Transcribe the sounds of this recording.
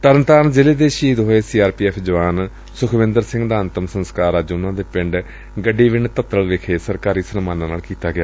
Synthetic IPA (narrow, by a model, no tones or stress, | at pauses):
t̪əɾənt̪aːnd͡ʒɪleːd̪eːʃiːd̪ɦoːeːsiːaːɾpiːɛːpʰd͡ʒəʋaːn | sʊkʰʋɪ̃nd̪əɾsɪ̃ŋɡd̪aːnt̪əmsənskaːɾaːd͡ʒʊnãːd̪eːpɪ̃ɳɖ | ɡəɖiːʋɪɳt̪ət̪əlʋɪkʰeːsəɾkaːɾiːsənmaːnãːnaːlkiːt̪aːɡɪjaː